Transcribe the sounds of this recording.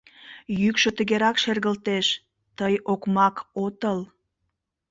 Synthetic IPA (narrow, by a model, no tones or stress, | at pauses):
jykʃə̆t̪ə̆ɣeɾɑkʃerɣəlt̪eʃ | t̪əjokmɑkot̪əl